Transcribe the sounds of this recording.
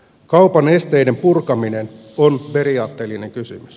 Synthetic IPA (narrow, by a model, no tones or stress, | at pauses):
kɑwpɑne̞st̪ejde̞mpurkɑminen | onpe̞ɾiɑːt̪ːeːlːineŋkysy̰mys